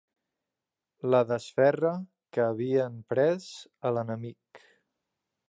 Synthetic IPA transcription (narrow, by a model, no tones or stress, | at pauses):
ləðəsfɛrə | kəːβ̞iəmpɾɛzələnəmik